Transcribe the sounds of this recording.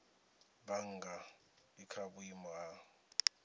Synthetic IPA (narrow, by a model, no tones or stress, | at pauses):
baŋɡa | ikʰabuima